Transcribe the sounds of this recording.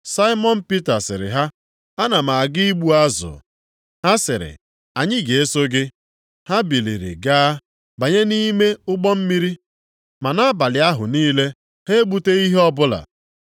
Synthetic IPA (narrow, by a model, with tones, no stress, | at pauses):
sa˦ɪ˦mɔ˦n̩˦pi˦ta˨sɪ̰˨ɾɪ̰˨ɦa˦ | a˦na˨ma˨a˨ɡi˦i˦ɡ͡bu˦a˦zʊ̰˨ | ha˦sɪ˨ɾɪ̰˨ | a˨ɲɪ˦ɡe˨e˦so˦ɡɪ˦ | ha˦bi˨lḭ˨ɾḭ˨ɡaː˦ | ba˨ɲe˦ni˦me˦ʊ˦ɡ͡bɔ˦m̩˦mi˦ɾi˦ | ma˨na˦a˦ba˨lɪ˨a˦ɦʊ˨niː˦le˦ | he˦ɡ͡bu˦te˦i˦ɦe˦ɔ˦bʊ˦la̰˨